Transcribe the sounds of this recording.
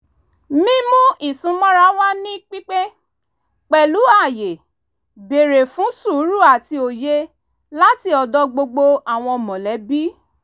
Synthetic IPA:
mĩ˦mũ˦i˦˨sũ˨˦mɔ̃˦ɾa˦wa˦nĩ˦k͡pi˦k͡pe˦ | k͡pɛ˨lu˨˦a˦˨je˨ | be˨ɾe˨fũ˨˦su˦˨˦ɾu˦˨a˨ti˧o˨je˧ | la˦ti˧ɔ˨dɔ˧ɡ͡bo˧ɡ͡bo˧a˨w̃ɔ̃˧ɔ˨mɔ̃˨lɛ˨˦bi˦

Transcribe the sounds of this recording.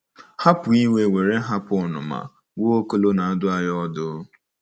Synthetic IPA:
ha˦pʊ˨i˦we˨we˨ɾe˦ɦa˦pʊ˨ʊ˦nʊ̰˨ma̰˨ | wo˦o˦ko˦lo˦na˨a˦dʊ˦a˦jɔ˦ɔ˦dʊ˦

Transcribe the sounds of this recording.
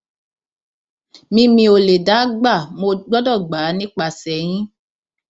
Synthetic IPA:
mĩ˧mĩ˧o˨le˨da˨˦ɡ͡ba˦˨mo˧ɡ͡bɔ˦dɔ˦˨ɡ͡baː˨˦nĩ˦k͡pa˧˨sɛ˨j̃ĩ˦

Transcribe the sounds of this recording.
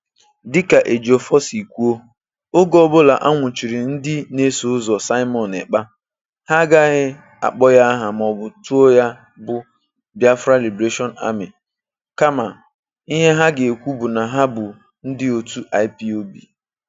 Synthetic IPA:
dɪ˦ka˨ʔe˨d͡ʒo˨fɔ˦si˨kʷu˦o˦ | o˦ɡɔ˦bʊ˦la˨ʔa˦ŋʷʊ˨t͡ʃi˨ɾi˨n̩˦dɪ˦ne˦su˨˦zɔ˨sa˦ɪ˦mɔ˨nḛ˨k͡pa˦ | ha˦ɡa˦ɦɪ˦ | a̰˨k͡pɔ˦ja˦ɦa˨m˨ɔ˨bʊ˨tu˦o˦ja˦ | bʊ˦ | bja˦fɾa˦li˨bɾe˦ʃɔ˦na̰˦mɪ˨ | ka˦ma˨ | i˦ɦe˦ɦa˦ɡe˨e˨kʷu˦bʊ˨na˨ɦa˦bʊ˨ | n̩˦dɪ˦o˨tu˦ʔa˨ɪ˦pi˦o˦bḭ˨

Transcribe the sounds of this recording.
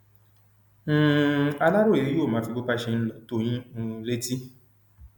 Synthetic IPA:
n̩˦a˧la˦ɾo˦e˨ɾi˦jo˦˨mãː˨˦fi˧ɡ͡bo˦k͡pa˦ʃe˧n̩˦lɔ˨to˦j̃ĩ˦n̩˧le˦ti˦

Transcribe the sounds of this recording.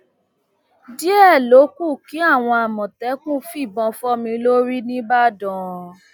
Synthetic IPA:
di˦ɛ˦˨lo˨˦ku˦˨ki˨˦a˦˨w̃ɔ̃˧a˨mɔ̃˨tɛ˨˦kũ˦fi˦˨bɔ̃˧fɔ˦mĩ˧lo˦ɾi˦nĩ˦ba˦dɔ̃˦˨

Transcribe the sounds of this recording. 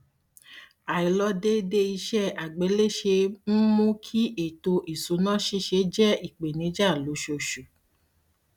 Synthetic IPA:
a˨i˨lɔ˧˦de˦de˧i˧ʃɛ˦a˨ɡ͡be˨˦le˦˨ʃe˧m̩˦mũ˦kʰi˦e˨to˧ʔi˨su˨˦nã˦ʃi˧˦ʃe˧˦d͡ʒɛ˦i˨k͡pe˨nĩ˨˦d͡ʒa˦˨lo˨˦ʃo˧ʃu˨

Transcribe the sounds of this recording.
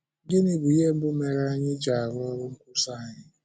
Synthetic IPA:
ɡɪ˦ni˦bʊ˨i˦e˦m̩˦bʊ˦me˨ɾe˦a˦ɲɪ˦d͡ʒa˨a˨ɾʊ˦ɔ˦ɾʊ˦ŋ̩˦kʷu˦sa˦a˨ɲɪ˦

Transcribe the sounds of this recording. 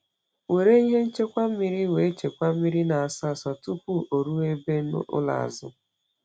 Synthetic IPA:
we˨ɾe˦i˦ɦe˦n̩˦t͡ʃe˦kʷa˦m̩˦mi˦ɾi˦we˨˦t͡ʃe˨kʷa˦m̩˦mi˦ɾi˦na˨a˨sa˦˨sɔ˨tu˦pu˦˨ʔo˨ɾu˦e˦be˦n̰˦ʊ̰˦la̰˨a̰˨zʊ̰˦

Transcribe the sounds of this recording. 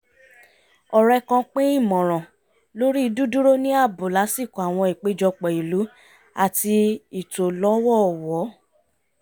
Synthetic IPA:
ɔ˨ɾɛ˧kɔ̃˧k͡pẽ˦i˦˨mɔ̃˨ɾ̃ɔ̃˨ | lo˦ɾi˦i˧du˦du˦ɾo˦nĩ˦a˦˨bo˨la˨˦si˦˨kõ˨a˨w̃ɔ̃˧i˨k͡pe˨˦d͡ʒɔ˧k͡pɛ˨i˨lu˨˦ | a˦˨ti˧i˨to˨lɔ˨˦wɔ˦˨wɔ˨˦

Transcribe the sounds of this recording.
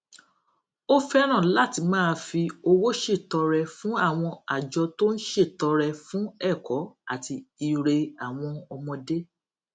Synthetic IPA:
o˦fɛ˦ɾ̃ã˦˨la˦˨ti˧mãː˦˧fi˧o˧wo˦ʃe˦˨tɔ˧ɾɛ˧fũ˦a˦˨w̃ɔ̃˧a˨d͡ʒɔ˧to˦n̩˦ʃe˦˨tɔ˨˧ɾɛ˧fũ˦ɛ˦˨kɔ˨˦a̰˦˨ti˧i˧ɾe˧a˨w̃ɔ̃˧ɔ˧mɔ̃˧de˦

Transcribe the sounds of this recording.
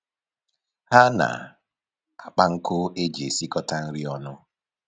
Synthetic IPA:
ha˦na̰˨ | a˨k͡pa˦ŋ̩˦kʊ˦e˦d͡ʒe˨si˦kɔ˦ta˦n̩˦ɾi˦ɔ˦nʊ˦

